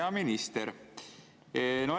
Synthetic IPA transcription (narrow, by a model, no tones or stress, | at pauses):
ɑminist̪eɾ | no